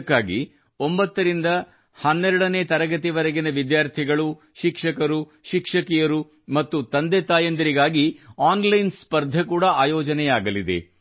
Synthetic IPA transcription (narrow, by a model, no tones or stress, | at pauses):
kːaːɡḭ | o̞mbɐt̪ːɐɾind̪ɐ | hɐnːɛɾuɽɐne̞ːt̪ɐɾɐɡɐt̪iʋɐɾɐɡinɐʋid̪jaːɾt̪ʰiɡɐɭu | ʃikʂɐkɐɾu | ʃikʂɐkijɐɾu | mɐt̪ːut̪ɐnd̪et̪aːjɐnd̪ɐɾiɡaːɡiaːnlɐjnspɐɾd̪ʱɐkuːɽɐaːjɔːd͡ʒɐnɛjaːɡɐlid̪e̞̰